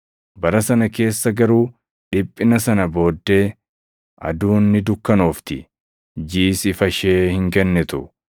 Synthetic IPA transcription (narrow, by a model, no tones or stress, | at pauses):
bɐɾɐsɐnɐke̞ːsːɐɡɐɾuː | ᶑɪpʼːɪnɐsɐnɐbo̞ːd̪ːe̞ː | ʔɐ̰d̪uːnːɪd̪ʊkːɐnoːft̪ɪ | d͡ʒiːsɪfɐʃeːhɪŋkɛnːɛt̪ʊ